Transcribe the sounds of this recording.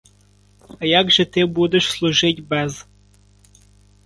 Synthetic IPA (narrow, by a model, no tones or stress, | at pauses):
ɐjɑɡʒɛt̪ɪbud̪eʃslˠʊʒɪtʲbɛz